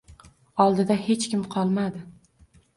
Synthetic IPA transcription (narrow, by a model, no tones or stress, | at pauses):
ɒlˠd̪ɪd̪ahe̞t͡ʃkʲɪmqʰɒlˠmad̪ɪ